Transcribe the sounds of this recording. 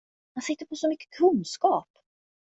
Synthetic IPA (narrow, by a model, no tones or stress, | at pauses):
hansɪt̪ːəɾpʰɔsɔmʏkːə̥kʰɵnskɑːp